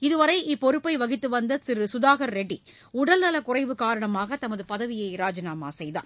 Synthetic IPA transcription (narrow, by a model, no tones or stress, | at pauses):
ɪðɯʋɐɾɐɪʔɪpːɔɾɯpːɐɪʋɐɣɪt̪ːɯʋɐnd̪ɐsɪɾɯsʊðaːɣɐɾɾɛɖi | ʊɽɐlnɐlɐkʊrɐɪʋɯkaːɾɐɳɐmaːɣɐt̪ɐmɐðɯpɐðɐʋɪjɐɪɾaːd͡ʒɐnaːma̰ːsɛjða̰ːɾ